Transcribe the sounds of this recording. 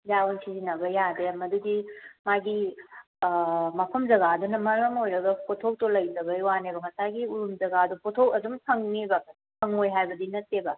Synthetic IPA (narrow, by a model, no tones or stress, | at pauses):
jawunsʰizinɐbɐjademɐduɡimaɡi | mɐpʰɐmd͡ʒɐɡadunɐmɐɾɐmojɾɐɡɐpʰotʰow̚tolɐjzɐbɐjwanebɐɦɐsaɡiuɾumd͡ʒɐɡaɐdupʰotʰowɐdumkʰɐŋnibakʰ | kʰɐŋojɦajbɐdinɐtːebɐ